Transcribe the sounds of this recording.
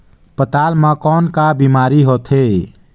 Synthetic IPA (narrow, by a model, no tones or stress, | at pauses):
pət̪aːlmãkɔːnkabimaːɾiɦoːt̪ʰɦe